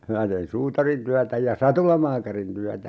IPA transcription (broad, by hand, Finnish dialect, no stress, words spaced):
minæ tein suːtɑrintyætæ jɑ sɑtulɑmɑːkɑrin tyætæ